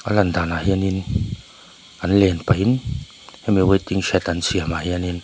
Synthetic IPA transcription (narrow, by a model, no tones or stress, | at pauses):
aland̪anahiənin | anlɛnpajin | hmiwajt̪iŋsɛt̪ansiamahiənin